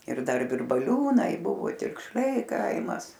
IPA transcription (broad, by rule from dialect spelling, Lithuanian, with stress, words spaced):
ɪr ˈdɐr ʋʲɪrbɐˈlʲuːnɐɪ ˈbʊʋoː tʲɪkʃʲˈlʲɛɪ ˈkɐɪmɐs